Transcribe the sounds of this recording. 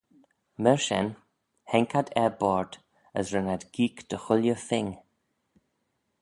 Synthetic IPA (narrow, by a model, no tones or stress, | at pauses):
məɹʃɛ̰n | hɛŋkʰad̪ɛbɔɹd̪̥ | ə̰sɹɪnad̪ɡ̥iːkd̪̥əxʊljəθɪŋ